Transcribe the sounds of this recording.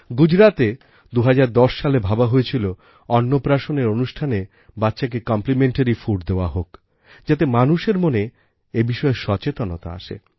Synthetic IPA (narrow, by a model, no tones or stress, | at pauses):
ɡud͡ʑɾat̪e | d̪uɦad͡ʑaɾd̪ɔʃʃalebʱabaɦojet͡ɕʰilo | ɔnːopɾaʃoneɾonuʃʈʰane | batːʃak̬ekɔmplimeɳʈaɾifuʈd̪eoaɦok | d͡ʑat̪̬emanuʃeɾmone | ebiʃɔeʃɔt͡ɕet̪onot̪a̰a̰ʃḛ